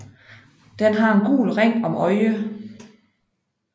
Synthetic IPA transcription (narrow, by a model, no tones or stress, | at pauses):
d̥enɦɑ̈e̝nɡ̥ṵːlʁeŋ̰ɒ̽mʔɒ̽ɪə